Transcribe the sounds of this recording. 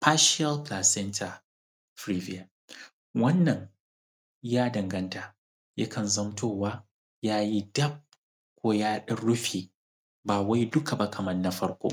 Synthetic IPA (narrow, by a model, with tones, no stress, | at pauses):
pa˦ʃɪ˦ɐ˦lplaː˨sɛ˦ntʰa˨ | fɾi˦vi˦a˨ | wɐ˦nːɐ˨ŋ | jaː˦dɐ˨ŋɡɐ˦nta˨ | ja̰˦kʰɐ˨nzɐ˦mtʰoː˦˨waː˦ | jaː˦ji˦dɐ˦b̚ | kʷoː˦jaː˦ɗɐ˦ɽʊ˦ɸiː˨ | baː˨wa˦jdʊ˦kʰa˨ba˦kʰɐ˨mɐ˦nːɐ˦ɸɐ˦ɽkʷo̰˦